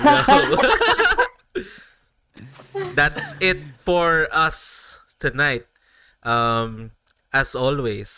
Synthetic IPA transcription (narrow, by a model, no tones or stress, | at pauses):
o | d̪æt̪sɪt̪̚fɔɹʌs | t̪ʊnaɪt̪̚ | ʔʌm | ʔæsɔlwes